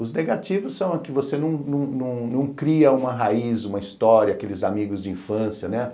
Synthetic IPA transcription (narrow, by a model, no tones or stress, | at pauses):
ʊzneɡat͡ʃivʊsːɐ̃w̃ɐkɪvosenɐ̃w̃nɐ̃w̃nɐ̃w̃nɐ̃w̃kɾiɐũmɐɦaizũmɐist̪ɔɾiɐakelɪzamiɡʊzd͡ʒɪĩfɐ̃sjɐnɛ